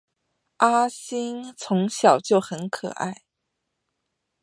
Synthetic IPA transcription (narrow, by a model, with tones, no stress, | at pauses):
a˥ɕi˥nt͡sʰʊ˧˥ŋɕjɑ˨˩ʊt͡ɕjo˥˩ʊxə˧˥nkʰɤ̰˨˩ʔa̰˥˩ɪ